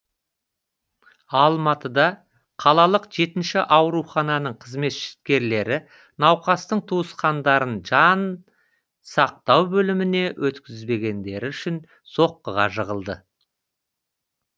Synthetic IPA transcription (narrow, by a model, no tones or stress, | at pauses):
ɑlˠmɑt̪əd̪ɑ | qʰɑlˠɑlˠəqʒe̞t̪ɪnʃɪʔɑwɾuχɑnɑnəɴqʰəzme̞t̪ʃɪ̥t̪̚kʲe̞ɾle̞ɾɪ | nɑwqɑst̪əɴt̪ʰuəsqɑnd̪ɑɾənʒɑn | sɑq̚t̪ɑwbɵlɪmɪne̞wʔɵt̪kʲɪzbe̞ɡʲe̞nd̪e̞ɾɪʏʃɪn | so̞qːəʁɑ̰ʒəʁəlˠd̪ə